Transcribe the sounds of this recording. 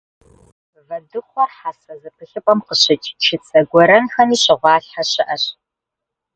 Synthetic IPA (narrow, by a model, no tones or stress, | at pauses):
vɐdɨχʷɔħasɐzɨpʰɨɬɨpʼɐmqəɕɪt͡ʃʼt͡ʃʰɪt͡sʰɐɡʷɔɾɐnxɐniːɕɪʁʷɑːɬħaɕɪʔɐɕ